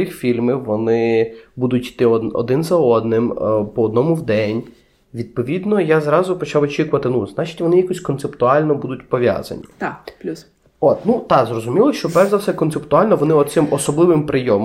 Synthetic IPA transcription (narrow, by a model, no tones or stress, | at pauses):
ixfʲilʲmɪʋɔnɪbud̪ʊtʲit̪ɪɔɔ̰d̪ɪnzɐɔd̪nɪmpɔːd̪̚nɔmʊwd̪ɛnʲ | ʋʲid̪̚pɔʋʲid̪nɔjazɾɑzʊpɔt͡ʃɑwɔt͡ʃikʊʋɐt̪ɪnuznɑt͡ʃɪ̥tʲʋɔnɪjakɔsʲkɔnt̪sept̪ʊɑlʲnɔbud̪ʊtʲpɔʋʲja̰zɐ̰nʲi | ɔt̪nut̪ɑzrɔzʊmʲilˠɔʃt͡ʃɔbɛzɐwsɛkɔnt̪sept̪ʊɑlʲnɔʋɔnɪɔt̪sɪmɔsɔblˠɪʋɪmpɾɪjɔm